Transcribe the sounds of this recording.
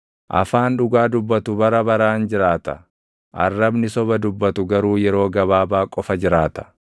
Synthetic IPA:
ʔɐ̰faːnᶑʊɡaːd̪ʊbːɐt̪ʊbɐɾɐbɐɾaːnd͡ʒɪɾaːt̪ɐ | ʔɐ̰rːɐbnɪsɔbɐd̪ʊbːɐt̪ʊɡɐɾuːjɛɾo̞ːɡɐβaːbaːkʼɔfɐd͡ʒɪɾaːt̪ɐ̥

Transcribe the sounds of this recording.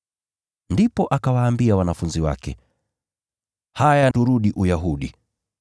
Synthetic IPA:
ndipɔʔakawaːmbiawanafunziwa̰kɛ̰ | hajanduɾuɗiʔujaɦuɗi

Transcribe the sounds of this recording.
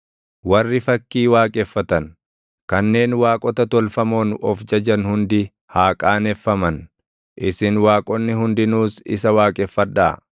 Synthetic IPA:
wɐrːɪfɐkːiːwaːkʼɛfːɐt̪ɐn | kɐnːe̞ːnwaːkʼɔt̪ɐt̪ɔlfɐmo̞ːnɔfd͡ʒɐd͡ʒɐnhʊnd̪ɪ | haːkʼaːnɛfːɐmɐn | ʔɪsɪnwaːkʼɔnːɪhʊnd̪ɪnuːsɪ̰sɐwaːkʼɛfːɐᶑ̪a̰ː

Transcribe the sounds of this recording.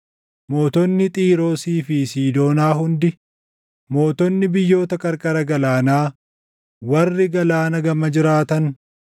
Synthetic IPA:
mo̞ːt̪ɔnːɪt̪ʼiːɾo̞ːsiːfisiːd̪o̞ːnaːɦʊnd̪ɪ | mo̞ːt̪ɔnːɪbɪjːo̞ːt̪ɐkʼɐɾkʼɐɾɐɡɐlaːnaː | wɐrːɪɡɐlaːnɐɡɐmɐd͡ʒɪɾaːt̪ɐn

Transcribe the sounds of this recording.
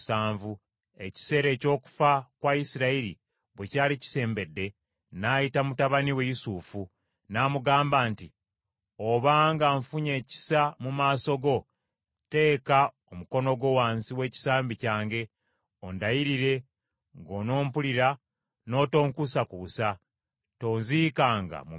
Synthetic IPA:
saːɱvu | e̞ci̥se̞ːɾe̞ːco̞ːku̥fakwajisiɾaiɾḭ | βwe̞caːlici̥se̞ːmbe̞dːe̞ | najitamutaβaniwe̞jisuːfu | naːmuɡaːmbaːnti | oβaŋɡaɱfuɲe̞ːci̥samumaːso̞ɡo̞ | te̞ːka | omuko̞no̞ɡo̞waːnsiwe̞ːci̥saːmbicaːŋɡe̞ | o̞ndajiɾiɾe̞ | ŋɡo̞no̞ːmpuliɾa | no̞ːto̞ːŋkusakuβusa | to̞ːnziːkaːŋɡa̰mu

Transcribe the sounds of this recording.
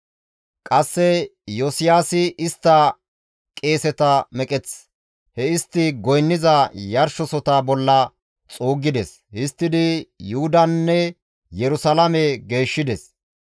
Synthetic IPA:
kʼɐsːɛjɔsɪjaːsɪʔɪst̪ːɐ | kʼe̞ːsɛt̪ɐmɛkʼɛt͡s | hɛɪst̪ːɪɡɔjnːɪzɐjɐɾʃɔsɔt̪abɔlːɐ | t͡sʼoːɡːɪd̪ɛs | hɪst̪ːɪd̪ɪjuhʊd̪ɐnːɛ | jɛɾʊsɐlɐmɛɡe̞ːʃːɪd̪ɛs

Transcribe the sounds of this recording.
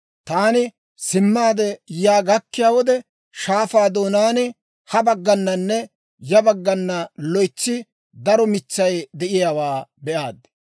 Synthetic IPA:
t̪aːnɪ | sɪmːaːd̪ɛjaːɡɐkːɪjaːwɔd̪ɛ | ʃaːfaːd̪oːnaːnɪ | hɐbɐɡːɐnːɐnːɛ | jɐbɐɡːɐnːɐlɔjt͡ʃːɪ | d̪ɐɾɔmɪt͡ʃːɐjd̪ɛʔɪjaːwaːbɛʔaːd̪

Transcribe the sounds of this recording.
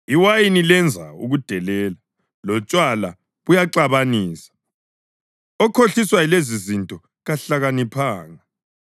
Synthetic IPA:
iwajinilɛnd͡zʱa̰ṵɣud̥ʱɛlɛːla | lɔt͡ʃʼwala̰ | βujaǁaβaniːsḁ | ɔkʰoɬiswajlezizintʼɔ | ɣaɬaɣanipʰaːŋa

